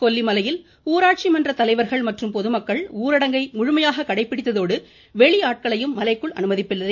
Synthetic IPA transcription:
kɔlːimɐlɐjɪl | uːɾaːʈ̚t͡ʃimɐndrɐt̪ɐlɐɪʋɐɾɣɐɭmɐʈrɯmpɔðɯmɐkːɐɭuːɾɐɽɐŋɡɐɪmʊɻʊmɐjaːɣɐkɐɽɐɪpːɪɽɪt̪ːɐðoːɽɯ | ʋɛɭiaːʈ̚kɐɭɐjɯmːɐlɐɪkːɯɭɐ̰nɯmɐðɪpːɪlːɐð

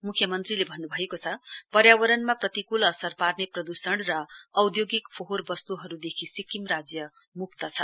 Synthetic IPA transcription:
mukʰjʌmʌnt̪rilebʱʌnːubʱʌekot͡sʰʌpʌɾjawʌɾʌnmaprʌt̪ikulʌsʌrparneprʌd̪usʌɽ̃rʌːwd̪joɡikpʰoɦorbʌst̪uɦʌɾud̪ekʰisikimrad͡zjʌ | mukt̪ʌt͡sʰʌ

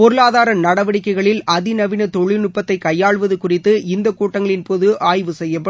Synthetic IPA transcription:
pɔɾɯlaːðaːɾɐmnɐɽɐʋɐɽɪkːɐɪɣɐɭɪlʔɐðɪnɐʋɪnɐt̪ɔɭːɪnʊpːɐt̪ːɐɪkɐjːaːɭʋɐðɯkʊrɪt̪ːɯɪnd̪ɐkuːʈːɐŋɡɐɭɪnpoːðɯaːjʋɯsɛjːɐpːɐ

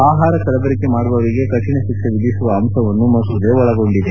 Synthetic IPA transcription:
aːɦaːɾɐkɐlɐbɐɾikːemaːɽbɐʋɐɭiɡe̞kɐt͡ʃːiɳeʃikʂɐʋiɡisuʋɐːmsɐʋɐnːumɐsud̪eʋɔɭɐɡo̞ɳɖid̪e

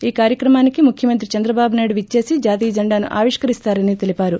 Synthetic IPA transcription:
iːkaːɾjɐkɾɐmaːnikimukʰjɐmɐnt̪ɾit͡ʃɐnd̪ɾɐbaːbunaːjɖuʋit͡ʃːe̞ːsid͡ʒaːt̪iːd͡ʒɐɳɖaːnṵʔa̰ːʋiʂkɐɾist̪aːɾɐnit̪e̞lipaːɾu

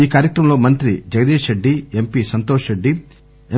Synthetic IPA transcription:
iːkaːɾjɐkɾɐmlo̞ːmɐnt̪ɾid͡ʒɐɡɐd̪iːʃɾeɖːiempisɐnt̪oːʂɾeɖːi | e

